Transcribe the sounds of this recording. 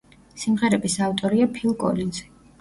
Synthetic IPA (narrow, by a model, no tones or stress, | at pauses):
simʁɛɾɛbisavt̪ʼɔɾiapʰilˠkʼɔ̰linzɛ̥